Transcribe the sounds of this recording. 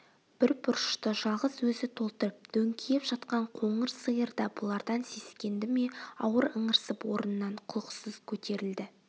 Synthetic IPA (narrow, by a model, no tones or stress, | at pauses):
b̥ɪɾbʊɾʃt̪əʒɑlˠʁəzwɵzɪt̪ʰo̞lˠt̪əɾəp̚d̪̥ɵŋkʲʰijepʒɑt̪qɑɴqʰo̞ɴəɾsəjəɾd̪ɑbʊlˠɑɾd̪ɑnse̞skʲe̞nd̪ɪme̞ɑ̰wəɾəɴəɾsəpwo̞ɾənənːɑɴqʰʊlˠəqsəz̥kʲʰɵt̪e̞ɾɪld̪ɪ